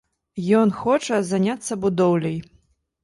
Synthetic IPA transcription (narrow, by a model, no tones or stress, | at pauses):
jɔnxɔt͡ʂɐzanʲat̪sːɐbud̪ɔwlʲɐj